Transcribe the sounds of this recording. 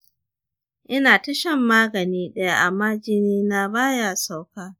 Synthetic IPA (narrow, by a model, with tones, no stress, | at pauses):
ʔɪ˦naː˨tɐ˦ʃɐ˦mːaː˦ɡɐ˨niː˦ɗɐ˦ja˦˨ʔa˨maː˦d͡ʒɪ˦niː˦na˦baː˦jaː˨sa˨wkaː˦